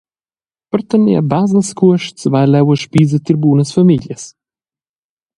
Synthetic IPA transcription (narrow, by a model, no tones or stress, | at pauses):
pəɾt̪əniabaznəskuəʃt̪svajlɛwəʃpiːzət̪iɾbuːnəsfamiljəs